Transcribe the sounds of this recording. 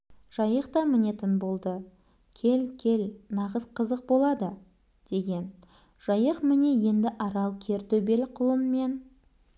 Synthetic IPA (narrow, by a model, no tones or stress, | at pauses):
ʒ̥ɑjəqt̪ɑmɪne̞t̪ɪnbo̞lˠd̪ə | kʲʰe̞lkʲʰe̞lnɑʁəsqʰəzəq̚bo̞lˠɑd̪ə | d̪̥e̞ɡʲe̞n | ʒ̥ɑjəqmɪne̞je̞nd̪ɪʔɑɾɑlˠkʲʰe̞ɾt̪ɵbe̞lqʰʊlˠənme̞n